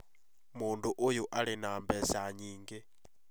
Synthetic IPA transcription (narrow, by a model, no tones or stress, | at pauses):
munduʔujuʔaɺinambɛsaɲiːŋɡɛ